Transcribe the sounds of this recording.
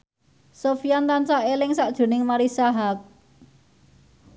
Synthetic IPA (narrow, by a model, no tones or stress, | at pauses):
sofijant̪ansaʔelɪŋsaʔd̥ʒ̥ṳnɪŋmaɾisaɦak̚